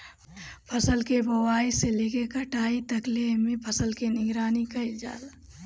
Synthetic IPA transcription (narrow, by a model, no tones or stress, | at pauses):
pʰəsəlkebəwaːiselekekəʈaːit̪əklemẽpʰɐsəlkenɪɡɾaːnikɐid͡ʒa̰ːl